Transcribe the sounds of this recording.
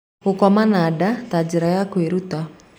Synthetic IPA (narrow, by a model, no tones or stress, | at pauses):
ukɔmanadat̪ad͡ʒiɾajakuiɾut̪a